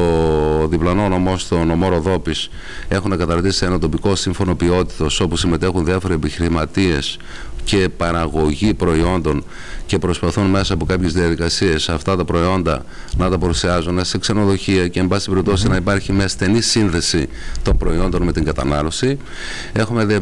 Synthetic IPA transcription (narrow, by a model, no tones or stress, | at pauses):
oðiplɐnonomost̪o̞no̞mo̞ɾo̞ðo̞pis | e̞xunekɐt̪ɐɾt̪isienot̪o̞piko̞siɱfo̞no̞pio̞t̪i̥t̪o̞so̞pusime̞t̪e̞xunðiɐfo̞ɾeepiçiɾimɐt̪ie̞s | ce̞pɐɾɐɣo̞ʝipɾo̞io̞nd̪o̞n | ce̞pɾo̞spɐθunme̞sɐːpo̞kɐpçe̞zðiɐðikɐsie̞sɐft̪ɐt̪ɐpɾo̞io̞nd̪ɐ̰ | nɐt̪ɐpɐɾusiɐzunesekse̞no̞ðo̞çiɐce̞ːmbɐsi̥t̪ibeɾip̚t̪o̞sinɐipɐɾçimɲɐst̪e̞nisinðe̞si | t̪o̞mpɾo̞io̞nd̪o̞nme̞t̪iŋɡɐt̪ɐnɐlo̞si | e̞xumeð